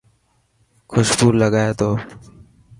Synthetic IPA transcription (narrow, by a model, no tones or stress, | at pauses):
kʰʊʃpuːɾləɡaːjet̪oː